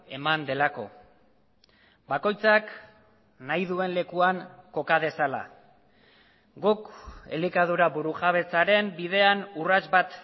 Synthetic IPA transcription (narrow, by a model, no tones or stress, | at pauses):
e̞mand̪e̞lako̞̰ | bako̞jt͡sak | najðue̞nle̞kuaŋko̞kað̞e̞sala̰ | ɡukḛlikaðuɾaβuɾuxaβ̞e̞t͡saɾe̞mbið̞e̞anurazbat̪